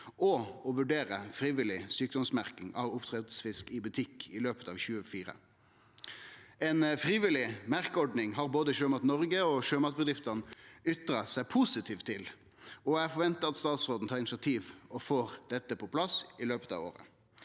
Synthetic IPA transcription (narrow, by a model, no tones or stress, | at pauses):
ɔɔʋʉɖeːʁəfɾiːʋɪlɪsyːk̚d̪ɔmsmæʁkɪŋɑ̰ʋʊpt̪ʰʁɛt̪əsfɪskɪbʉt̪ʰɪkːɪløːpət̪ɑʋçʉːəfiːʁə̰ | ɛnfʁiːʋɪlɪmæʁkəɔɖnɪŋɦɑɾboːd̪əʃøːmɑt̪nɔʁɡəɔʃøːmɑt̪̚bəd̪ʁɪft̪ənʏt̪ɾɑsæɪpʰʊsɪt̪ʰiːft̪ʰːɪl | ɔæɾfɔʁʋɛnt̪əɑt̪st̪ɑːt̪sʁoːd̪n̩t̪ʰɑːɪnɪsɪɑt̪ʰiːʋɔfoːʁd̪̥ɛt̪ːəpʰɔpʰlɑsɪløːpə̥t̪ɑ̰ʋo̰ːʁə̰